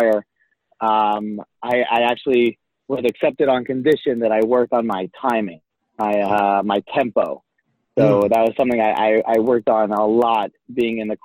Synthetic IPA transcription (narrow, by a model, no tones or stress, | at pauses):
ə˞ | ʌ̃maɪʔa̰ɪæk̚t͡ʃul̩ˠi | wʌzɨksɛp̚tɨɾn̩kɨ̃ndɪʃɨ̃nðɨɾaɪwɜ˞k̚tn̩maɪtʰãɪ̃mɪ̃ŋ | maɪʌmaɪtʰɛ̃mpoʊ | soʊðɨt̚wʌz̥sʌ̃mθɪ̃ŋaɪʔa̰ɪʔaɪwɜ˞k̚tn̩əlɔt̚b̥iɪ̃ŋɨ̃nðɨkʰ